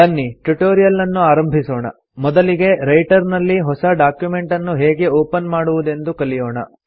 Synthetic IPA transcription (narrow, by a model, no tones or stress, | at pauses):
ɐnːiʈuʈoːɾijɐlːɐnːuaːɾɐmbʱisɔːɳɐ̰ | mɔd̪ɐliɡe̞ɾɐjʈɐɾnɐlːiɦɔsɐɖaːkjume̞ɳʈɐnːuɦɛːɡe̞oːpɐnmaːɽuʋud̪e̞nd̪ukɐlijɔːɳɐ̰